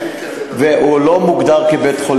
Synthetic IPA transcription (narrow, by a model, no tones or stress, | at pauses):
veʔulomuɡd̪aʁkebeːt̪χol